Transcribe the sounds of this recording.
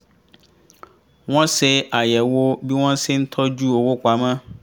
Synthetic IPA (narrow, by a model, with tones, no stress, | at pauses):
wɔ̃˦sɪ˦a˨jɛ˨wo˦bi˦wɔ̃˦sɪ˦n̩˦t̪ʰɔ˦d͡ʒu˦˨wo˨wo˦ka˨mã˦